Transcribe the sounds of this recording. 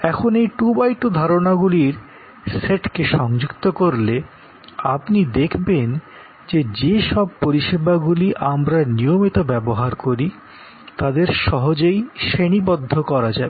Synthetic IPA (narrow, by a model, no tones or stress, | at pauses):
ɛkʰonejʈubajʈud̪ʱaɾonaɡuliɾ | seʈkeʃɔŋd͡ʑukt̪okoɾle | apnid̪ekʰben | d͡ʑed͡ʑeʃɔb̚poɾiʃebaɡuliʔamɾaniomit̪obɛboɦaɾkoɾi | t̪ad̪eɾʃɔɦod͡ʑejʃeñibod̪ʱːokɔɾad͡ʑabe